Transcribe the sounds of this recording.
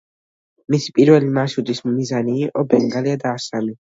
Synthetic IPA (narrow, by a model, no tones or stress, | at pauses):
misi̥pʼiɾvɛlimasud̪ismːizaniːqʼɔbɛŋɡaliad̪aːsami